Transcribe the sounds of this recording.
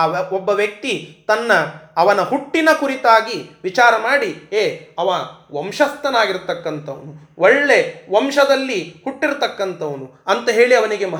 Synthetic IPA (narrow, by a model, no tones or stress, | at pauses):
ɔbːɐʋjɐk̚t̪it̪ɐnːɐːʋɐnɐɦuʈːinɐkuɾit̪aːɡiʋit͡ʃaːɾɐmaːɽieːɐʋɐʋɐmʃɐst̪ɐnaːɡiɾt̪ɐkːɐnt̪ʰɐʋɐnu | ʔɔɭːe̞ʋɐmʃɐd̪ɐlːihuʈːiɾt̪ɐkːɐnt̪ʰɐʋɐnuɐnt̪ɐɦe̞ːɭiɐʋɐniɡe̞mɐ